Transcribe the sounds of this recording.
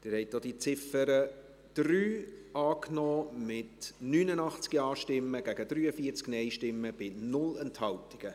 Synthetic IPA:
d̥ɪːɾhɛɪtːod̥̪it͡sɪfəɾə | d̪̥ɾyːɑːknɔːmɪtnyːnənɑχt͡skiɑːʃtɪmːəɡ̥æɡəd̥̪ɾyːəfiəɾt͡sknɛɪʃtɪmːəb̥ɪnʊlɛnthɑltiɡ̥ə

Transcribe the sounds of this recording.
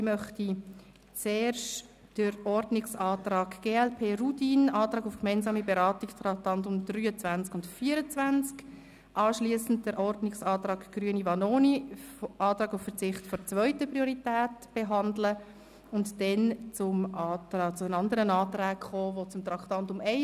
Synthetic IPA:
simœχti | t͡seːɾʃ | d̥əɾɔrdnɪksɑːtrɑːɡɡ̥eːɛlpʰeːrutinɑːt̪ɾɑːɡʊfkmɛɪnzɑːmibeɾɑːtɪkstɾɑktɑntʊmd̥ryːət͡svænt͡skʊntfiːəɾət͡svænt͡sk | ʔɑːʃliːsn̩t̚d̥əɾʔɔɾdnɪksɑːtɾɑːkɡ̥ryənivɑnoːniʔɑːtɾɑːɡʊffəɾt͡sɪχtfɔɾt͡svœʏtəprioɾitɛːtb̥eɦɑndlə | ʊntdɛnt͡sʊmʔɑːtɑːt͡sʊənɑnd̪əɾənɑːtɾæːkχoːvot͡sʊmt̪ɾɑktɑntʊmɛɪ

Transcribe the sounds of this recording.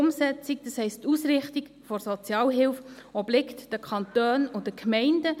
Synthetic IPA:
ʊmsɛt͡sikd̥əshɛɪstːuːsɾɪχtik | fɔɾsɔt͡sjɑːlɦɪlfɔblɪktd̥əkʰɑntøːnʊdəkʰmɛɪndə

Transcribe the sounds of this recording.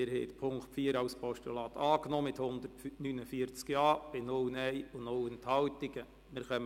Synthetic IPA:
ɪɾhɛɪt̪pʰʊŋkχtfiːəɾɑwspʰɔʃtulɑːt̪ʰɑːknɔːmɪt̪hʊnd̪əɾtnynəfiəɾt͡skjɑːb̥ɪnʊwnɛjʊnowənt̪hɑltɪɡ̥ə | mɪɾχœm

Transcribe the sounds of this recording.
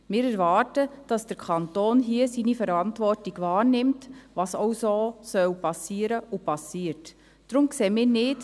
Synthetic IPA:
mɪːɾɛɾʋɑːrtəd̥ɑsd̥əɾkʰɑntoːnɦiəsinifɛɾɑntʋɔrtiɡʋɑːɾnɪmtʋɑsowsoːsœwpɑsiːəɾəʔʊpɑsiːəɾt | d̥ɾʊmkseːmɪːɾnɪt

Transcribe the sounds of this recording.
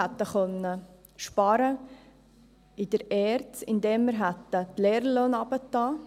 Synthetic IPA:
at̪ːəχœnːə | ʃpɑɾə | ɪd̥əɾɛːɾtt͡sɪnd̪ɛːmːəɾɦæt̪ːətlɛːɾəloːnɑb̥ət̪ːɑː

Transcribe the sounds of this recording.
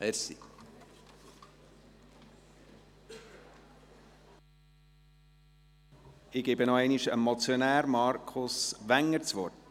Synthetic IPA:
ɛsḭ | ɪɡɛbənɔɛɪniʃə̰mɔt͡sjonæːɾmɑɾkʰʊsʋæŋːəɾt͡sʋɔrt

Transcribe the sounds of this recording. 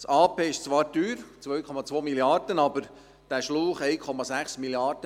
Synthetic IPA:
sɑːpeːɪʃt͡sʋɑːɾtyːɾt͡sʋœɥkʰɔmɑt͡sʋoːmiljɑɾd̥ənɑbəɾ | d̥æːʃluːχɛɪkʰɔmɑsæχsmiliɑɾd̥ə

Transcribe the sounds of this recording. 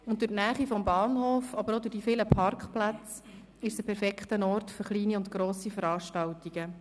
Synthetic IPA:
ʊndɵtnæːχifɔmbɑːnhoːfɑbəɾodʊɾdifɪləpʰɑrkχplat͡s | ɪʃsəpʰɛɾfɛkχtənɔrtføɾχliːniʊntɡ̥ɾoːsifəɾɑːʃtɑltiɡ̥ə

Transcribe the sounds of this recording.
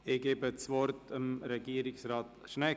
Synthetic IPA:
eɡ̥eːbət͡sʋɔɾtəmɾɛɡiəɾɪksɾɑːtʃnɛ

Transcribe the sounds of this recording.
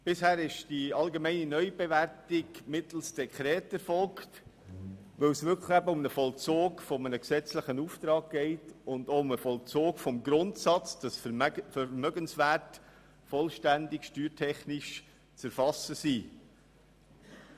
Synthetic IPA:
b̥ɪshæːɾɪʃd̥iɑlɡemɛɪninœʏb̥evæɾtɪɡmɪtl̩sd̥ɛkχɾɛːtæɾfɔlkt | ʋɪwsʋʏkʰləχæbəʊmnəfɔlt͡soːɡfɔmənəksɛt͡sləχənuːft̪ɾɑːk̚ɡ̥ɛɪtʊndoʊməfɔlt͡soːkfɔmɡɾʊntsɑt͡sd̥ɑsfɛɾmœɡənsʋæːɾt | fɔlʃtændɪkʃtyːɾtʰɛχnɪʃ | t͡sæɾfɑsəsiː

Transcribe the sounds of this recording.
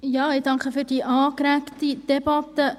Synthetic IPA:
jɑːɪdɑŋkχəfyːɾdiːʔɑːkɾæktid̥ɛbɑtə

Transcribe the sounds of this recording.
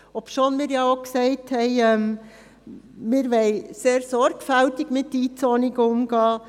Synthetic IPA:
opʃoːnmiːɾjɑoksɛɪthɛɪɛm | mɪːɾʋɛɪseːɾsɔɾɡ̥fæltɪɡ̥mɪtːiːt͡sonɪɡʊmɡɑː

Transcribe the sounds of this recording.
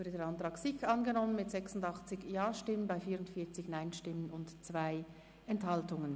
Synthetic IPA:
ʊdədeːɐantʁ̥ɑːksɪçɑnɡənɔmənmɪtz̥ɛksʊndɑχt͡sɪçjɑːʃtɪmənbaɪfiːʁʊntfiːɐt͡sɪçnaɪnʃtɪmənʊntt͡sv̥aɪ | ɛnthɑltʊŋən

